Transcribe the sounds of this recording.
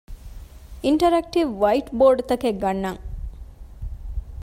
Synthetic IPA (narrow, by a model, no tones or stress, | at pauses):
iɳʈɐɾæk̚ʈiʋʋɐiʈboːɖt̪ɐkeɡɐnːɐŋ